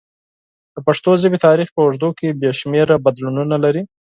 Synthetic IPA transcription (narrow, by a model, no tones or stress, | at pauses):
d̪̥əpaʂt̪ozɪbet̪ɑɾixpəwaʐd̪okebjɑʃmeɾabad̪lununalaɾi